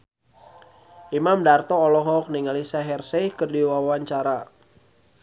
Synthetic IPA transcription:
ʔimamdart̪ɔːlɔɦɔk̚niŋalisaɦɛrsehkərdiwawaɲt͡ʃaɾa

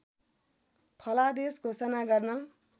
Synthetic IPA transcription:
pʰʌlad̪esɡʱosʌnaɡʌrnʌ

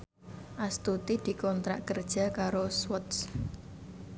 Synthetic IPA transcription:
ʔast̪ut̪id̪̥i̤kɔnt̪ɾa̰ʔkərd̥ʒ̥a̤kaɾoswɔt̪s

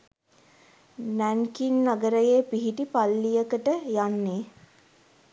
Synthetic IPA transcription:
næŋkinːaɡəɾəjeːpiɦiʈipalːijəkəʈəjanːeː

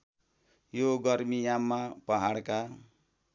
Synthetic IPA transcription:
joɡʌrmijamːapʌɦaɽka

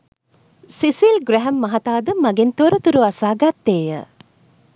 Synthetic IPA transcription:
sisilɡɾɛɦɛmːɐɦɐt̪aːd̪əmaɡent̪oɾut̪uɾuasaːɡat̪ːeːjə̰

